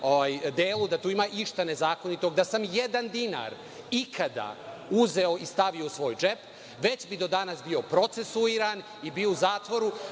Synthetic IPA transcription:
oʋaːjd̪eːlˠud̪at̪uːimaːʔiʃt̪anezaːko̞nit̪o̞ɡd̪asamjed̪and̪ina̰ɾ | ikʰad̪a̰uze̞o̞ʔist̪aʋio̞usʋo̞ːjd͡ʒep | ʋe̞t͡ɕbid̪o̞d̪anasbio̞pɾo̞t̪sesuiɾan | ibiouzaːt̪ʋo̞ɾu

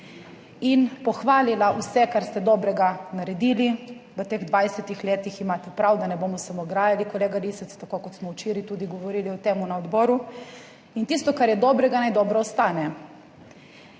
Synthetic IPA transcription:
inpɔxʋaːlilaʔusɛkaɾst̪ɛd̪ɔːbɾɛɡanaɾɛd̪iːliʋət̪eːɣd̪ʋajsɛt̪ixleːt̪iximaːt̪ɛpɾawd̪anɛboːmɔsamoɡɾaːjalikɔleːɡaɾisɛst̪akoːkɔt̪smɔwt͡ʃiːɾit̪uːd̪iɡɔʋɔɾiːliɔt̪eːmunaɔd̪bɔːɾu | int̪ist̪ɔkaɾjɛd̪ɔːbɾɛɡanajd̪ɔːbɾɔɔst̪aːnɛ

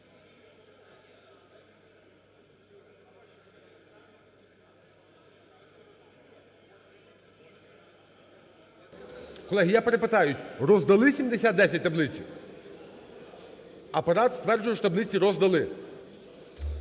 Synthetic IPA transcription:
kɔlˠɛɦʲijapeɾepɪt̪ɑjʊtʲrɔzd̪ɐlˠɪsʲimd̪esʲat̪̚d̪ɛsʲɐt̚ʲt̪ɐblˠɪt͡sʲḭw | ɐpɐɾɑt̪st̪ʋɛrd͡ʒʊjʊʃɔt̪ɐblɪt͡sʲiɾɔzd̪ɐlˠɪ

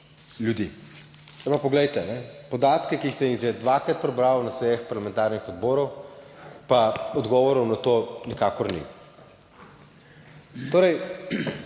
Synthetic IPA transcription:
ljud̪i | apapɔɡlɛjt̪ɛnɛpɔd̪aːt̪kɛkiːxsɛjiɣʒɛd̪ʋaːkɾat̪̚pɾɛbɾaːɔnasɛjɛxpaɾlamɛnt̪aːɾnixɔd̪boːɾɔw | paɔd̪ɡɔʋɔɾɔwnat̪oːnikaːkɔɾnḭ | t̪oːɾɛj

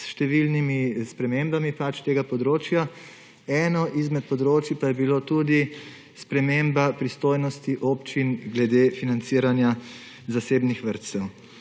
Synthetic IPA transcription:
sʃt̪ɛʋilnimispɾɛmembamipat͡ʃt̪eːɡapɔd̪ɾoːt͡ʃja | ɛːnɔʔizmɛt̪̚pɔd̪ɾoːt͡ʃjipajɛbilot̪ud̪i | spɾɛmembapɾist̪oːjnɔst̪iʔoːpt͡ʃinɡlɛd̪eːfinant̪siːɾanja | zaseːbnixʋəɾt̪sɛw

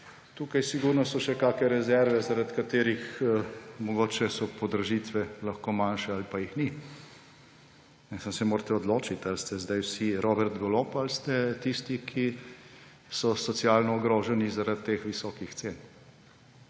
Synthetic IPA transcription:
t̪uːkajsiɡuɾnɔsɔʃɛkaːkɛɾɛzɛɾʋɛzaɾat̪kat̪eːɾix | mɔɡoːt͡ʃɛsɔpɔd̪ɾɐʒit̪ʋɛlɐxkoːmanʃɛalipajixni | mɛsənsɛmoːɾt̪ɛɔd̪loːt͡ʃit̪alst̪ɛzd̪ajwsiɾoːbɛɾt̪ɡɔlopalst̪ɛt̪ist̪ikʰi | sɔsɔt̪sjaːlnɔːɡɾoːʒɛnizaɾat̪ːeːxʋisɔːkixt̪seːn

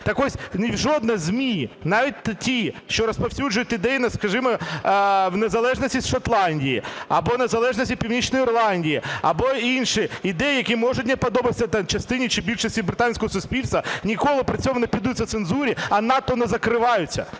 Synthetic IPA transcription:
t̪ɐkɔsʲnʲiwʒɔd̪nɐzʲmʲinɑʋʲit̪̚ʲt̪tʲiʃt͡ʃɔɾɐspɐwsʲud͡ʒʒʊjʊt̪ʲɪd̪ɛjinɐskɐʒɪmɔ | wnezɐlˠɛʒnɐsʲtʲisʃɐt̪lˠɑnʲdʲijiɐ̰bɔnezɐlˠɛʒnɐsʲtʲipʲiwnʲit͡ʃnɔjiːrlˠɑnʲdʲijiɐ̰bɔinʃɪid̪ɛjijɐkʲimɔʒʊtʲnɛpɐd̪ɔbɪsʲɐt̪t͡ʃɐst̪ɪnʲit͡ʃɪbʲilʲʃɐsʲtʲibɾɪt̪ɑnʲsʲkɔɦɔsʊsʲpʲilʲst̪ʋɐnʲikɔlˠɪpɾɐt͡sʲɔmʊnepʲid̪ut͡sʲːɐt̪senzuɾʲiɐnɑt̪ɔnɛzɐkɾɪʋɑjʊt͡sʲːɐ̰

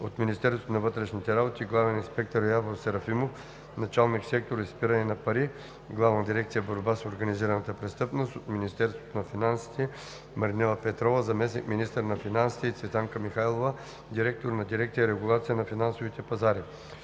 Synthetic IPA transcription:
ot̪minist̪ɛɾst̪vot̪onɐvɤt̪ɾɛʃnit̪ɛɾabot̪ʲiːɡlˠavɛninspɛk̚t̪əɾjavoɾsɛɾɐfimof | nɐt͡ʃalˠniksɛk̚t̪oɾispiɾɐnɛnɐpɐɾi | ɡlˠavnɐd̪iɾɛk̚t̪sijəboɾbasoɾɡɐniziɾɐnɐt̪əpɾɛst̪ɤpnost̪ot̪minist̪ɛɾst̪vo̥t̪onɐfinansi̥t̪ɛ | mɐɾnɛlˠɐpɛt̪ɾɔvəzɐmɛsnikminist̪əɾnɐfinansi̥t̪ɛit̪svɛt̪aŋkəmixajlˠovə | d̪iɾɛk̚t̪oɾnɐd̪iɾɛkt̪sijəiɾɛɡulˠat̪sijənɐfinansovit̪ɛpɐzaɾi

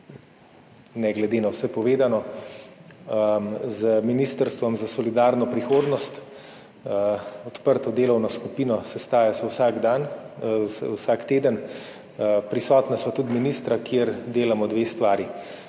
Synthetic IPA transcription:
nɛɡlɛd̪eːnawsɛpɔʋeːd̪anɔ | zəminist̪əɾst̪ʋɔmzasɔlid̪aːɾnɔpɾixoːd̪nɔst̪ | ɔt̪pəɾt̪ɔd̪eːlɔwnɔskupinɔsɛst̪aːjasawsaːɡd̪answsaːkt̪eːd̪ən | pɾisɔːt̪nasʋat̪ud̪minist̪ɾakjeɾd̪eːlamɔd̪ʋeːst̪ʋaːɾi

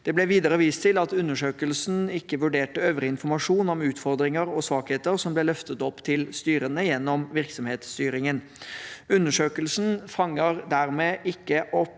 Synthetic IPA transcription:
d̪̥ɛblɛʋiːd̪əɾəʋiːst̪ʰɪlɑt̪ʉnːəʂøːkəlsn̩ɪkːəʋʉɖeːʈəøːʋəɾɪɪnfɔɾmɑʂuːnɔmʉːt̪fɔɾd̪ɾɪŋəɾɔsʋɑːkheːt̪əɾsɔmblɛlœft̪ət̪ɔpːt̪ʰɪlst̪yːɾənəjɛnːɔmʋɪɾksɔmheːt̪st̪yːɾɪŋən | ʉnːəʂøːkəlsn̩fɑŋːəɾd̪æɾmeːʔɪkːəʔɔp

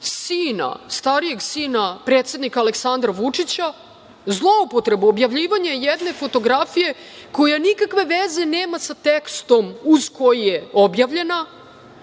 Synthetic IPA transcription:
siːna̰st̪aɾije̞ɡsiːnapɾet̪se̞d̪nikaːle̞ksand̪ɾaʋut͡ʂit͡ɕa | zlˠo̞upo̞t̪ɾe̞buobjaʋʎiːʋaɲejed̪ne̞fo̞t̪o̞ɡɾafije̞ | ko̞janikakʋe̞ʋeze̞ne̞ːmasat̪ekst̪o̞muz̥ko̞jijeo̞bjaʋʎe̞na

